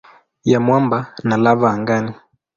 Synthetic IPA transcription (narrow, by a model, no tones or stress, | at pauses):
jamwambanalavaːŋɡani